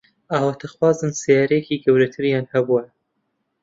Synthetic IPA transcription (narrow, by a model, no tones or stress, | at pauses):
ʔaːwɐt̪ʰɐxwaːzɨnsijaːɾejkiːɡɐwɾɐt̪ʰɨɾjaːnhɐbuɐn